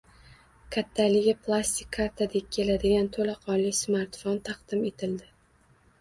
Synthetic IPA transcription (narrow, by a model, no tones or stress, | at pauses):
kʰat̪ʰːalɪɡʲɪpʰlˠast̪ɪkʰːaɾt̪ʰad̪ekʲkʲʰːe̞lad̪ɪɡʲant̪ʰolaqʰɒnlɪsmaɾt̪font̪ʰɑqd̪̥ɪme̞t̪ʰɪld̪ɪ